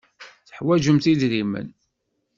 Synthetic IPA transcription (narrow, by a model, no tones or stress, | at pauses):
θə̥ħwæʒəmt̪iðɾimə̰n